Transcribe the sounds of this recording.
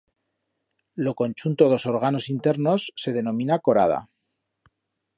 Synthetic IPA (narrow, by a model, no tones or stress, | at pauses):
lo̞ko̞nʲt͡ʃunt̪oðo̞so̞ɾɣ̞ano̞sint̪e̞ɾno̞sːe̞ð̞e̞nõ̞mĩnako̞ɾa̰ð̞a̰